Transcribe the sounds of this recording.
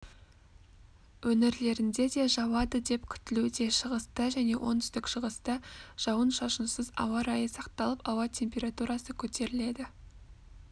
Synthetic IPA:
wɵnɪɾle̞ɾɪnd̪e̞d̪e̞ʒɑwɑd̪əd̪e̞pkʲʰʏ̥t̪ɪlud̪e̞ʃəʁəst̪əʒæne̞wʔo̞̰nt̪ʏst̪ɪkʃəʁəst̪əʒ̥ɑwənʃɑʃənsəzɑ̰wɑɾɑjəsɑqt̪ɑlˠəpɑwɑt̪ʲʰe̞mpʲe̞ɾat̪uɾɑsəkʲʰɵt̪e̞ɾɪle̞d̪ɪ

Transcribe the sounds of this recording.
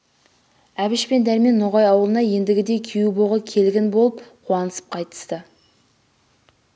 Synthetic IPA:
æbɪʃpe̞nd̪æɾme̞nːoʁɑjɑwəlˠənɑje̞nd̪ɪɡʲɪd̪e̞kʲʰejuboʁəkʲʰe̞lɡʲɪnbo̞lˠəp̚qʰuɑnəsə̥p̚qʰɑjt̪ə̥st̪ə

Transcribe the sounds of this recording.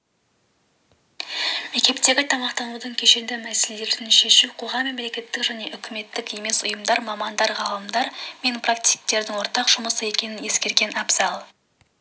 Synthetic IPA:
me̞kʲe̞pt̪e̞ɡʲɪt̪ʰɑmɑqt̪ɑnud̪əɴkʲʰe̞ʃe̞nd̪ɪmæseled̪e̞ɾd̪ɪnʃe̞ʃuqʰo̞ʁɑmːe̞mle̞kʲe̞t̪ːɪkʒæne̞ʔʏkʲɪme̞t̪ːɪke̞me̞sʊjəmd̪ɑɾmɑmɑnd̪ɑɾʁɑlˠəmd̪ɑɾme̞npʰrak̚t̪i̥k̚t̪e̞ɾd̪ɪŋwoɾt̪ɑqʒ̥ʊməsəe̞kʲe̞nɪnje̞skʲe̞ɾɡʲe̞nɑbzɑlˠ

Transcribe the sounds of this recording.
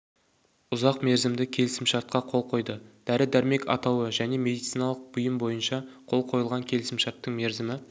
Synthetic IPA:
ʊzɑqme̞ɾzɪmd̪ɪkʲʰe̞lɪsɪmʃɑɾt̪̚qɑqʰo̞lˠqʰo̞jd̪əd̪̥æɾɪd̪æɾme̞kɑ̰t̪ɑwəʒæne̞me̞d̪ijt̪sijnɑlˠəq̚bʊjəmbo̞jənʃɑqʰo̞lˠqʰo̞jəlˠʁɑŋkʲʰe̞lɪsɪmʃɑɾt̪ːəɴme̞ɾzɪmɪ

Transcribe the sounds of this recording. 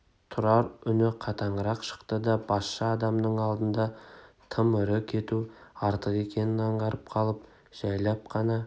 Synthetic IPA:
t̪ʰʊɾɑɾʏnɪqʰɑt̪ɑɴəɾɑqʃə̥qt̪əd̪ɑb̥ɑsʃɑːd̪ɑmnəɴɑlˠd̪ənd̪ɑt̪ʰəmʏɾɪkʲʰe̞t̪uɑɾt̪əqe̞kʲe̞nɪnɑɴʁɑɾəp̚qʰɑlˠəp | ʒ̥ɑjlˠɑp̚qʰɑnɑ

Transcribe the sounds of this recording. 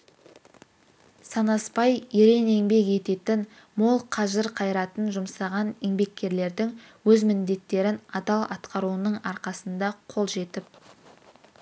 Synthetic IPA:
sɑnɑspɑjeɾe̞ne̞ŋbe̞ke̞t̪e̞t̪ɪn | mo̞lˠqʰɑʒəɾqʰɑjɾɑt̪ənʒʊmsɑʁɑneŋbe̞kʲːe̞ɾle̞ɾd̪ɪŋ | wɵzmɪnd̪e̞t̪ːe̞ɾɪnɑd̪ɑlˠɑ̰t̪qɑɾuənəɴɑɾqɑsənd̪ɑqʰo̞lˠʒe̞t̪ɪp̚

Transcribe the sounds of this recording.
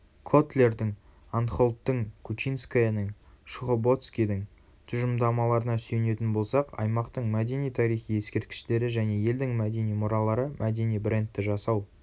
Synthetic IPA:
kʰo̞t̪lʲe̞rd̪ɪŋ | ant̪χo̞lˠt̪ːəɴkʰut͡ʃijnskajanəŋ | ʃʊʁobo̞t̪skʲijd̪ɪŋ | t̪ʰʊʒəmd̪ɑmɑlˠɑɾənɑsɵjne̞t̪ɪnbo̞lˠsɑqɑ̰jmɑqt̪əɴmæd̪e̞nijt̪ʰɑɾijχije̞skʲe̞ɾt̪̚kʲɪ̥ʃt̪e̞ɾɪʒæne̞je̞ld̪ɪŋmæd̪e̞nijmʊɾɑlˠɑɾəmʔæd̪e̞nijbre̞nt̪ːɪʒɑsɑw

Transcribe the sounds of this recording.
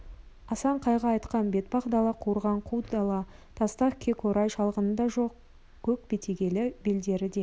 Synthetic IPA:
ɑsɑɴqʰɑjʁɑːjt̪qɑnbe̞t̪̚bɑqd̪ɑlˠɑqʰuɾʁɑɴqʰud̪ɑlˠɑ | t̪ʰɑst̪ɑχkʲʰe̞kʰoɾɑjʃɑlˠʁənəd̪ɑʒoq | kʲʰɵk̚be̞t̪ʰeɡʲe̞lɪbeld̪e̞ɾɪd̪e̞

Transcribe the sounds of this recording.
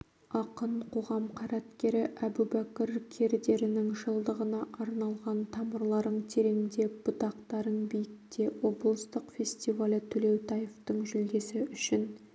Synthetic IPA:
ɑqəɴqʰo̞ʁɑmqʰɑɾɑt̪kʲe̞ɾɪʔæbubækʲɪɾkʲʰe̞ɾd̪e̞ɾɪnɪŋʒəlˠd̪əʁənɑʔɑɾnɑlˠʁɑnt̪ʰɑməɾlˠɑɾəɴt̪ʰe̞ɾenɪnd̪eb̥ʊt̪ɑqt̪ɑɾənbejɪk̚t̪e̞wo̞blˠəst̪əqfʲe̞sʲt̪ivalʲət̪ʰɵle̞wt̪ʰɑjeft̪əɴʒʏld̪e̞sɪʔʏʃɪn

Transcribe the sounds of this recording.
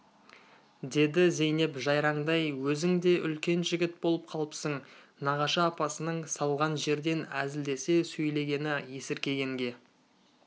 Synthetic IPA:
d̪e̞d̪ɪze̞jne̞pʒɑjɾɑɴd̪ɑjwɵzɪŋd̪e̞ʔʏlkʲe̞nʒɪɡʲɪt̪̚bo̞lˠəp̚qʰɑlˠəpsəɴnɑʁɑʃɑːpɑsənəɴsɑlˠʁɑnʒe̞ɾd̪e̞næzɪld̪e̞se̞sɵjle̞ɡʲe̞nɪje̞sɪɾkʲe̞ɡʲe̞ŋɡʲe̞

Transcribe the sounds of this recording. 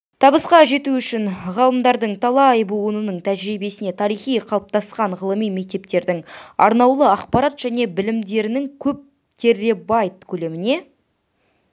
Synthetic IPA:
t̪ʰɑbəsqɑʒe̞t̪uʏʃɪnʁɑlˠəmd̪ɑɾd̪əɴt̪ʰɑlˠɑːjbuwənənəɴt̪ʰæʒɾibe̞sɪne̞t̪ʰɑɾijχijqʰɑlˠp̚t̪ɑsqɑɴʁəlˠəmijme̞k̚t̪e̞p̚t̪e̞ɾd̪ɪŋɑ̰ɾnɑwlˠəɑqpɑɾɑt̪ʒ̥æne̞bɪlɪmd̪e̞ɾɪnɪŋkʲʰɵp̚ | t̪ʰe̞rːebɑjt̪̚kʲʰɵle̞mɪne̞

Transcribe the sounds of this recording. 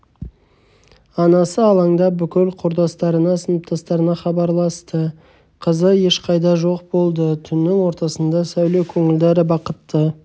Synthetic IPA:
ɑnɑsəɑlˠɑŋd̪ɑbʏkʲɪlqʰʊɾd̪ɑst̪ɑɾənɑsənəp̚t̪ʰɑst̪ɑɾənɑχɑbɑɾlˠɑst̪ə | qʰəzəje̞ʃqʰɑjd̪ɑʒo̞qbo̞lˠd̪ət̪ʰʏnːɪŋwo̞ɾt̪ɑsənd̪ɑsæwlewkʲʰɵŋɪld̪eɾɪbɑqət̪ːə

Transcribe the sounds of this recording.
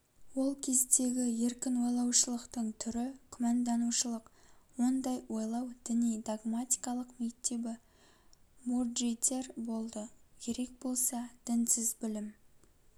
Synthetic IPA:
wo̞lˠkʲʰe̞zd̪e̞ɡʲɪje̞ɾkʲɪnwo̞jlˠɑwʃəlˠəqt̪əɴt̪ʰʏɾɪkʲʰʏmɑnd̪ɑnuʃəlˠəqwo̞nd̪ɑjwo̞jlˠɑwd̪̥ɪnijd̪aɡmat̪ʲi̥jkɑlˠəqme̞k̚t̪ːe̞bɪ | murʒet̪e̞ɾbo̞lˠd̪əkʲʰe̞ɾe̞k̚bo̞lˠsɑd̪̥ɪnsɪzbɪlɪm

